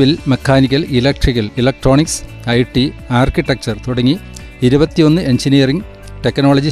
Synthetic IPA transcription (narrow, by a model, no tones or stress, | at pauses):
ʋilmekʰːaːnik̬ʲːɐlilɐk̚ʈrikːɐlilɐk̚ʈro̞ːniks | ɐjʈːiaːrkiʈːek̚t͡ɕɐrt̪uɽɐŋːiː | ɾubɐt̪ːijo̞nːɨe̞ɲd͡ʑinijɐriŋ | ʈekːnoːɭɐd͡ʑi